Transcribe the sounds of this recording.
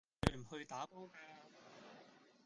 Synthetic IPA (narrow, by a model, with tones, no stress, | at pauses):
ɵ˨˧m̩˨˩hɵ˧ɥt̪aː˨˥po˥wkaː˧